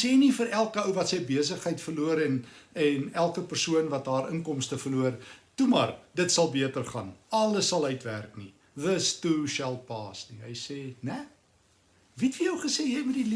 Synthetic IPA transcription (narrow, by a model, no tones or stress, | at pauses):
seːnifəɾælˠkəəwvɐtsəjbiəs̬əχɦəjtfərluəɾɛnɛnælˠkəpərsuənvɐt̚ɑːrəŋkɔmstəfərluərtumɐrdətsɐlˠbiətərχɐnɐləsɐlˠœɥtværkni | ðəstuʃɛlˠpɑːsniɦəjseːnæ | vitfəjəwχəseːjɛjmut̚dili